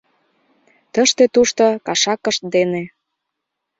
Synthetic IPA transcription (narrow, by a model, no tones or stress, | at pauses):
t̪əʃt̪et̪uʃt̪ŏkɑʃɑkə̆ʃt̪̚d̪ene